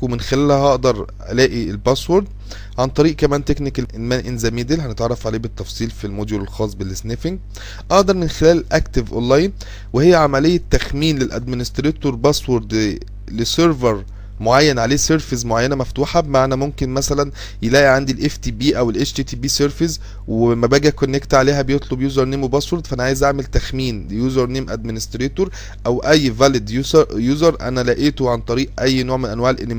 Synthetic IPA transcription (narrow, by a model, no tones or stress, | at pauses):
emenxelæːlhæʔɑʔd̪ɑɾˤʔæ̰læːʔielbæswoɾd̪ | ʕant̪ˤɑɾiːʔkæmæːnt̪eknikʔelmænʔenzæmiːd̪elɦænet̪ʕɑrˤːɑfʕaleːbet̪ːɑfsˤiːlfilmoːd̪julelxɑːsˤbelːesnefeŋɡ | ʔɑʔd̪ɑɾˤmenxelæːlelʔækt̪evʔo̰lːɑjn | wehejːæʕamælejːæt̪ːæxmiːnlelʔæ̰d̪̚mɪnest̪ɾeːt̪oɾbæswoɾd̪ | leseɾveɾ | moʕajːænʕaleːseɾfizmoʕajːænæmæft̪uːħɑbemaʕnæmomkenmæsælæn | jelæːʔiʕand̪ilʔeft̪iːbiːʔæwelʔet͡ʃt̪iːt̪iːbiːseɾfez | weemæbæːɡækonːekt̪ʕaleːɦæbejet̪ˤlobjuːzɑɾˤneːmwebɑswoɾd̪fæʔænæʕaːjezʔaʕmelt̪æxmiːnlejuːzɑɾˤneːmʔæ̰d̪̚mɪnest̪ɾeːt̪oɾ | ʔæwʔæjːvæled̪juːsɑɾjuːzɑɾˤʔæ̰nælæːʔiːt̪oʕant̪ˤɑɾiːʔʔæjːnoːʕmenʔænwaʕelʔenːe